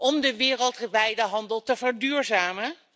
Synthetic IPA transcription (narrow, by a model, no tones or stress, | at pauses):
ʔɔmdəʋɪːrəlˠtχʋɛjdəɦɑndəlˠtəvəɹdyːɹzaːmə